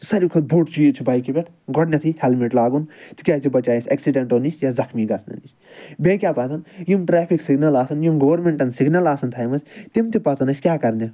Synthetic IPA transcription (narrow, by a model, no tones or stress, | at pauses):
sɐɾikʰɐt̪̚bʱoːʈt͡ʃʰijit͡ʃʰibaːjkibʲeʈʰ | ɡɔɽnʲɐt̪ʰihɛlmeʈlaːɡunt̪ʰi̥kʲjaːsibɐt͡ʃaːjisʲɐːksiɖeɳʈoːnit͡ʃʰjazɐkʰmiɡɐsʰnɐ̰nit͡ʃ | bʲekʲaːpɐt͡s̪ɐnjimʈɾɛːpʰiksiɡnɐlaːsɐnjimɡoːɾmẽɳʈɐnsiɡnɐlaːsɐnt̪ʰaːjmɐsʲt̪imt̪ipɐt͡sɐnɐsʲkʲjaːkɐɾnʲɐ